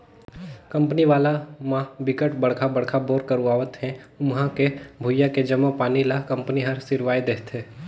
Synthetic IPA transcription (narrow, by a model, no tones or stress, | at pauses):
kɐ̃mpəniʋaːlamãbɪkəʈbɐɽ̤kʰabɐɽ̤kʰaboːɾkəɾuaːʋət̪ɦɛ̃ʊmɦãkebʱuʊjaked͡ʒəmapaːnilakɐ̃mpniɦəɾsɪɾʋaːed̪eːɦt̪ɦeː